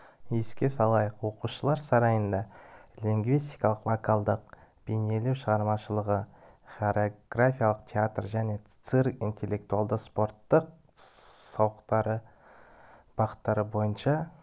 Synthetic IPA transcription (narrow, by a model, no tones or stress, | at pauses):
eskʲe̞sɑlˠɑjəqwo̞quʃəlˠɑɾsɑɾɑjənd̪ɑlʲiŋɡvist̪ijkɑlˠəqvokʰalˠd̪əq̚b̥ene̞le̞wʃəʁɑɾmɑʃəlˠəʁə | χoɾeoɡrafʲijalˠəqt̪ʲʰeat̪rʒæne̞t̪sɨrkḭnt̪ʰe̞lʲːe̞k̚t̪ualˠd̪əqspo̞ɾt̪ːəq̚ | sɑwəqt̪ɑɾə | b̥ɑqə̥t̪ːɑɾəbo̞jənʃɑ